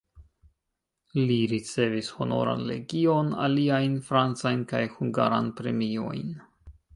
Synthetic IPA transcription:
liɾit͡se̞visho̞no̞̰ɾa̰nle̞ɡio̞na̰liajnfɾant͡sajnkajhuŋɡa̰ɾa̰npɾe̞mio̞̰jn

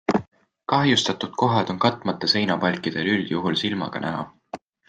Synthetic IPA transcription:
kɑɦjust̪ɑt̪ud̪̥̚ko̞ɦɑd̪̥o̞nkɑt̪ːˑmɑt̪ːˑese̞jnɑpɑlʲkˑid̪̥e̞lyl̥juɦulsilmɑ̰ɡ̥ɑ̰næ̰ɦɑ̰

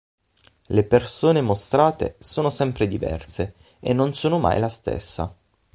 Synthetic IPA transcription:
lepersoːnemost̪ɾaːt̪ḛsoːnosɛmpɾed̪ivɛ̰rse | enːonsoːnoma̰jlast̪ḛsːa̰

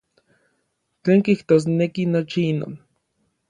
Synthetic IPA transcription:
t͡ɬeːŋkiht̪oːs̬nekinot͡ʃiino̰ːn

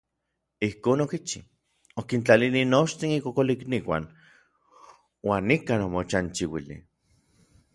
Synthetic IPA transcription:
ihkoːnokit͡ʃḭ | okint͡ɬalilinoʃt̪inikokolikniwa̰ːn | waːnːikaːnomot͡ʃant͡ʃiwilḭ

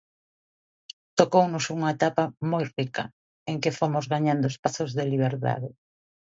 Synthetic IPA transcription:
t̪okownʊsuŋɐet̪apamojrikɐ̰ | eŋkɪfomʊzɣaɲand̪oespaθʊzðeliβ̞eɾt̪a̰ðɪ

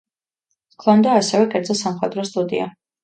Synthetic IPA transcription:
kʰˠɔnd̪aːsɛvɛkʼɛɾd̪zɔsamχwɛd̪ɾɔst̪ʼud̪ḭa̰

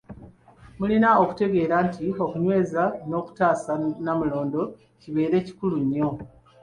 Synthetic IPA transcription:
mulinao̞ku̥te̞ɡe̞ːɾaːntio̞kuɲwe̞ːzano̞ːku̥taːsanamulo̞ːndo̞ | ciβe̞ːɾe̞ːci̥kuluɲːo̞

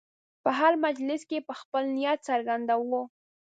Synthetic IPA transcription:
pəɦaɾmad͡ʒlɪskepəxpəlnɪjat̪saɾɡand̪awo

